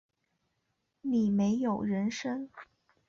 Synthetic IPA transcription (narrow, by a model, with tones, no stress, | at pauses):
ni˨˩me˧˥ɪjo˨˩ʊɻə˧˥nʂə˥ŋ